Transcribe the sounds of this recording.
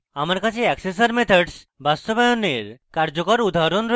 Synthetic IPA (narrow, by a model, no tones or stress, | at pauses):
amaɾkat͡ɕʰeɛkses̬aɾmet̪ʰaɖs | bast̪obajoneɾkaɾd͡ʒokɔɾud̪ʱaɦɾonɾo